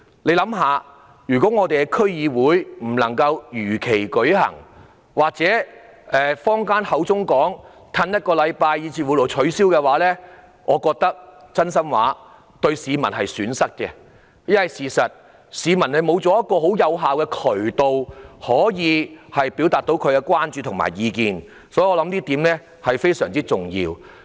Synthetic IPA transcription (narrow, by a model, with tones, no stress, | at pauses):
le˨˧jlɐ˨˥mɦaː˨˧ | jyː˨˩kɔː˨˦˥ŋɔː˨˧t̪e˨jkɛ˧kʰɵ˥ɥjiː˨˧wuː˨˥jm̩˨˩lɐ̰˨˩ŋkɐ˧wjyː˨˩kʰe˨˩jkɵ˨˥hɐ̰˨˩ŋ | waː˨k̚t͡sɛː˨˥ | ɛː˨fɔː˥ŋkaː˥nhɐ˨˥wt͡sʊ˥ŋkɔː˨˥ŋ | t̪ʰɐ˧njɐ˥t̚kɔː˧lɐ˨˧jpaː˧jːiː˨˧t͡siː˧wu˨˧˩lo˨˩t͡ʃʰɵ˨˥ɥsiː˥wkɛː˧waː˨˥lɛː˥ | ʔɔː˨˧kɔː˧k̚t̪ɐ˥k̚t͡sɐ˥nsɐ˥mwaː˨˥ | t̪ɵ˧ɥsiː˨˧mɐ˨˩nhɐ˨jsyː˨˥nsɐ˥k̚kɛ̰˧ | jɐ˥nwɐ˨jsiː˨˩sɐ˨t̚ | siː˨˧mɐ˨˩nhɐ˨˩jmo˨˧wt͡sɔː˨˧jɐ˥t̚kɔː˧ɦo˨˥wjɐ˨˧wɦaː˨wkɛː˧kʰɵ˨˩ɥt̪o˨whɔː˨˥jiː˨˧hɐ˨jpi˨˥wt̪aː˨t̚t̪o˨˥wkʰɵ˨˧ɥkɛ˧kʷwaː˥nt͡ʃyː˧t̪ʰʊ˨ŋma̰ː˨˩jiː˨˧kiː˨n | sɔː˨˥ji˨ɔː˧lɐ˨˥mt̪iː˥t̪iː˨˥mlɛː˥ | hɐ˨jfe˥jsœː˨˩ŋt͡siː˥t͡sʊ˨ŋjḭː˧w